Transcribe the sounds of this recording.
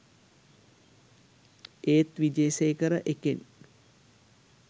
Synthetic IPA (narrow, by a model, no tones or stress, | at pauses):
eːt̪ʋid͡ʒeːseːkəɾəʔeken